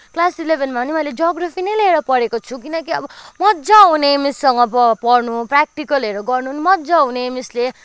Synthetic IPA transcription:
klasilebʱenmaʌnimʌiled͡zʌɡɾapʰinʌjleeɾʌpʌɾekot͡sʰukinʌkiʌ̰bʌmʌd͡zaɦunemisːʌŋɡʌppʌrnuprak̚ʈikʌleɾoɡʌrnunimʌd͡zaɦunemisle

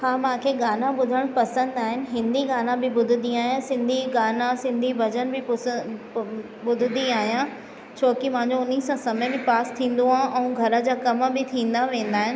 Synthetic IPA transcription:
hãːmãːkʰeːɡaːnãbʊd̪ʱəɽ̃pɐsə̃nd̪aːɦɪnɪ̆ɦɪ̃nd̪iɡaːnãbɪbʊd̪ʱɪd̪ĩaːɦijãsɪ̃nd̪ʱiɡaːnãsɪ̃nd̪ʱibɐd͡ʑənbɪ | bʊd̪ʱɪd̪iaːɦijã | t͡ɕʰoːkimãɦãɲd͡ʑoʊnisãsɐmɛbɪpaːst̪ʰĩːn̆d̪oɦaːʔɛ̃ũɡʱɐɾə̆d͡ʑaːkɐmbɪt̪ʰĩːn̆d̪aʋẽːnd̪aːɦɪnɪ̆

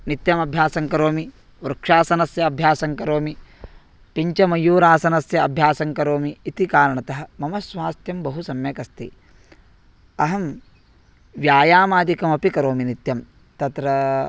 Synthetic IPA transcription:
nit̪jɐmɐbʱjaːsɐŋkɐɾoːmi | uɾɐkʂaːsɐnɐsjɐːbʱjaːsɐŋkɐɾoːmi | piɲt͡ʃɐmɐjuːɾaːsɐnɐsjɐɐbʱjaːsɐŋkɐɾoːmiːt̪ikaːɾɐɳɐt̪ɐɦɐ̆mɐmɐsʋaːst̪jɐmbɐɦusɐmjɐkɐst̪ḭ | ɐɦɐm | ʋjaːjaːmaːd̪ikɐmɐpikɐɾoːminit̪jɐm | t̪ɐt̪ɾɐ

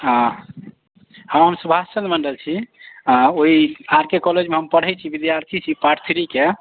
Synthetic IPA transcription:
ɦã | ɦə̃ɦəmsubʱat͡ʃənd̪məɳɖəlt͡ʃʰiãoiaɾkekɔled͡ʒmeɦəmpəɽ̤ɦɛt͡ʃʰibid̪jaɾt̪ʰit͡ʃʰipaɾt̪ʰiɾike

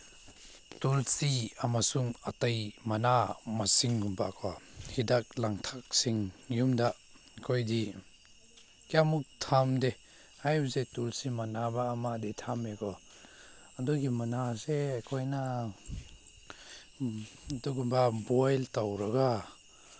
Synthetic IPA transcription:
tulsiamasuŋatajmanamasiŋɡumbakʰɔhidak̚laŋtʰak̚siŋjumda | kʰojdi | kjamuk̚tʰamde | hajbzetulsimanabaːmadetʰamekʰɔ | aduɡimanaseakʰojna | duɡumbabɔjltawɾaɡa

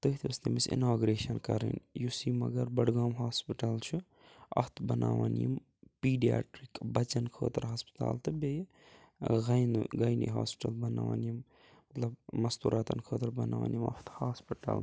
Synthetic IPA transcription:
t̪ɨɦt̪ʰiɐst̪emisḭnaːɡɾeːʃɐnkɐɾḭnjusiːmɐɡɐɾbɐɽɡaːmɦaːspiʈɐlt͡ʃʰu | ɐft̪ʰbɐnaːʋanjim | piːɖija̰ːʈɾikbɐt͡ʃɐnkʰoːt̪ɾɦaːspi̥t̪a̰ːlt̪ɨbe | ɣɐjnɨɡɐjnḭɦaːspi̥ʈɐlbɐnaːʋa̰njim | mɐt̪lɐbmɐst̪uːɾʔaːt̪ɐnkʰoːt̪ɐɾbɐnaːʋa̰ːnjimɐht̪haːspiʈɐ̰l

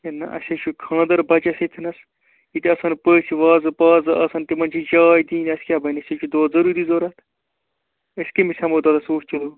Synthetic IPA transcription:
enɐ̰ʔɐ̰sʲɐt͡ʃʰukʰãːd̪ɐɾbɐt͡ʃɐset̪ʰinɐs | it̪iɐsɐnpəːsʲiʋaːzɨpaːzɨʔɐsɐnt̪imɐnt͡ʃʰid͡ʒaːjd̪iːnɐsʲkʲjaːbɐnʲɐsʲɐt͡ʃʰud̪oːzɐɾuːɾiːzoːɾɐt̪ʰ | əsʲkemisʲɐmoːd̪ɐːd̪ɐsoːt͡ʃulo

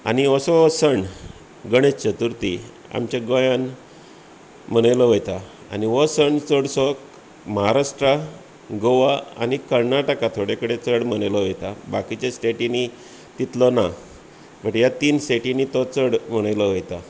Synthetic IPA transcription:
a̰niəsɔsəɳ | ɡəɽ̃et͡st͡ɕət̪uɾt̪i | a̰mt͡ɕaɡɔjan | m̤əɽ̃ajlɔʋəjt̪a | a̰niʋəsəɳt͡soɽsɔk | məɦaɾaʂʈɾa | ɡoʋaa̰nikəɾnaʈəkat̪ʰoɽekəɽet͡səɽm̤əɽ̃ajlɔʋəjt̪abakit͡ɕesʈeʈini | t̪it̪lɔna | bəʈjat̪iːnseʈinit̪ɔt͡səɽm̤əɽ̃ajlɔʋəjt̪a

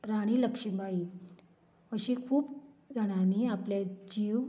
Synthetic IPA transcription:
ɾaɽ̃iːləkʂimbai | əɕikʰuːpd͡zʱəɽ̃aniapled͡ʑiw

